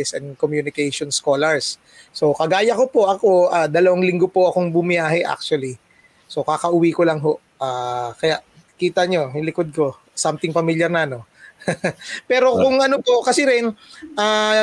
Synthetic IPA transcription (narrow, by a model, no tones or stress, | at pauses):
ɪsɛ̰nkomjunɪkɛjʃonskoːlɐɹsː | o̞kɐɡaːjɐko̞po̞ʔɐko̞ʔaːd̪ɐlɐwaŋlɪŋɡo̞po̞ʔɐkoŋbʊmɪjaːɦɛʔa̰k̚t͡ʃʊwɐli | so̞kakɐʔʊwikolɐŋɦo̞ʔ | ʔaːkɐjaʔ | kiːt̪ɐɲo̞jʊlɪkod̪̚ko̞ | samt̪ɪŋpɐmiljɐɾnɐno̞ | pɛːɾo̞kʊŋɐnopo̞kɐsɛɾɪnʔaː